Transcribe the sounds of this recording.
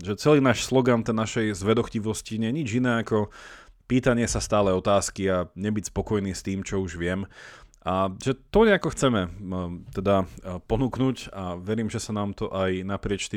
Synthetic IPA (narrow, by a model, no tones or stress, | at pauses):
ʒɛt͡sɛliːnaːʃslɔɡant̪ɛnːaʃɛjzʋɛd̪ɔxciʋɔsciɲɛjɛɲid͡ʒinɛːakɔpiːt̪aɲɪɛsast̪aːlɛɔt̪aːskiaɲɛbicspɔkɔjniːst̪iːmt͡ʃɔuʒʋɪɛmʔaʒɛt̪ɔɲɛakɔxt͡sɛmɛt̪ɛd̪apɔnuːknucaʋɛɾiːmʒɛsanaːmt̪ɔʔajnapɾɪɛt͡ʃt̪i